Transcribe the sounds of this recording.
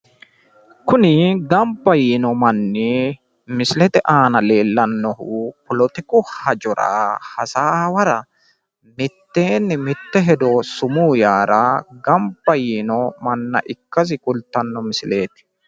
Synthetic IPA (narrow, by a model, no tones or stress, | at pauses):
kʊnɪɡɐmpːɐjiːnɔmɐnːɛ | mɪsɪlɛt̪ɛʔaːnɐle̞ːlːɐnːɔɦʊpɔlɔt̪ɪkʊhɐd͡ʒɔɾa̰ːhɐsaːwɐɾɐ | mɪt̪ːeːnːɪmɪt̪ːɛɦɛd̪ɔsʊmuːjaːɾɐɡɐmpːɐjiːnɔmɐnːɐ̰ʔɪkːɐs̬ɪkʊlt̪ːɐnːɔmɪsɪle̞ːt̪ɪ̥